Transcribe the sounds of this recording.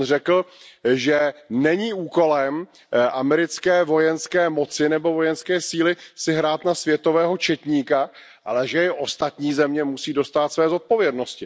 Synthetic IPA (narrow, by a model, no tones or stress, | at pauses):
r̝ɛkl̩ʒɛnɛɲiːuːko̞lɛm | ʔamɛɾɪt͡skɛːvo̞jɛnskɛːmo̞t͡sɪnɛbo̞vo̞jɛnskɛːsiːlɪsɪɦɾaːt̪nasvjɛt̪o̞vɛːɦo̞t͡ʃɛt̪ɲiːka | ʔa̰lɛʒɛɪʔo̞st̪at̪ɲiːzɛmɲɛmusiːdo̞st̪aːt̪svɛːzo̞t̪̚po̞vjɛdno̞scɪ